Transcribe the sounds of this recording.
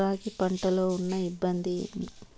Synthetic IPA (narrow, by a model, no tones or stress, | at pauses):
aːkipɐɳʈɐloːunːɐibːɐnd̪i